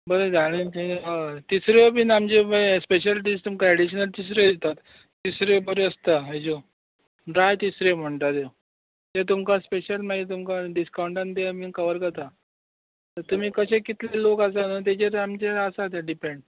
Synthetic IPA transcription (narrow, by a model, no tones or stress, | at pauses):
bəɾed͡zaɽ̃it̪et̪isɾeobinamd͡ʑebəspeɕəlʈist̪umkaɛɽiɕənəlt̪is̬ɾed̪et̪at̪ː | isɾebəɾeəst̪aəjd͡ʑo | ɖɾajt̪isɾem̤əɳt̪at̪e | t̪et̪̬umkaspeɕəlmaɡit̪umkaɖiskawɳʈãnt̪emikəʋəɾkət̪a | t̪əɾt̪um̤iːkəɕẽkit̪lelokasanət̪̬et͡ɕeɾamd͡ʑeɾəsat̪ẽɖipeɳɖ